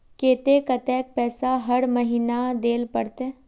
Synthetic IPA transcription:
keːt̪ekɐt̪ɛːk̚pɛːsaɦɐɽməɦiːnad̪eːlpəɽt̪eː

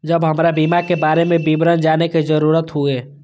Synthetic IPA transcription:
d͡ʒəbɦɐmɾabiːmakebaːɾemẽbibɾənd͡ʒaːneked͡ʒəɾuːɾət̪ɦueː

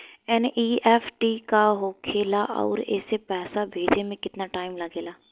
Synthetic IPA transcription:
ɛnʔiːɛːfʰʈikaɦoːkʰeːlaʔɔ̰ːɾɛ̰ːsepɛːsabʱeːd͡ʒemẽkɪt̪naʈaːɪmlɐɡeːlaː

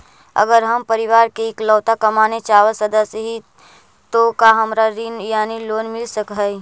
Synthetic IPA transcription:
ə̰ɡəɾɦəmpəɾɪʋaːɾkeːklɔːt̪akɐmaːnet͡ʃaːʋəsəd̪əsɦi | t̪okaɦɐmɾaɾinjaːniloːnmɪlsəkɦɛi

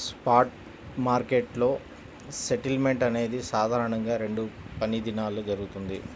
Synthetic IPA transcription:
spaːʈ | maːɾkeʈlo̞ː | seʈilme̞ɳʈɐne̞ːd̪isaːd̪ʱaːɾɐɳɐŋɡaːɾe̞ɳɖupɐnid̪inaːlud͡ʒɐɾuɡut̪und̪i

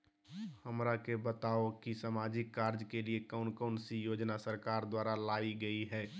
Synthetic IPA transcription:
həmɾakebət̪aːokisamaːd͡ʒɪkːaːɾd͡ʒkeliekaʊnkɔːnsijoːd͡ʒnasəɾkaːɾd̪waːɾalaːiɡəiɦɛː

